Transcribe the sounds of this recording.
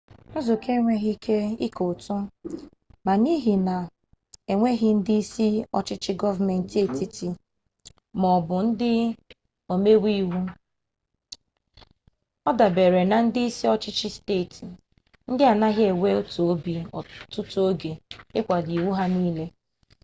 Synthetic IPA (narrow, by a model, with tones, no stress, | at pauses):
ʊ˦zʊ˨kʰe˦ŋʷe˦ɦi˦kʰe˦ḭ˦ko˨tʊ˦ | ma˨ni˦ɦi˨na˨ | e˨ŋʷe˦ɦɪ˦n̩˦di˦i˦si˦ɔ˦t͡ʃɪ˦t͡ʃɪ˦ɡɔ˦va˨me˨n̩˨te˦˨ti˦ti˨ | mɔ˨bʊ˨n̩˦dɪ˦ | o˨me˦wi˦wu˦ | ɔ˦da˨be˨ɾe˨na˨n̩˦dɪ˦i˦si˦ɔ˦t͡ʃɪ˦t͡ʃɪ˦steː˦˨ti˨ | n̩˦dɪ˦a˨na˦ɣje˨we˦o˦to˨o˦bi˨ɔ˨tʊ˦tu˦o˦ɡe˨ɪ˦kʷa˨di˨wu˦ɦa˦niː˦le˦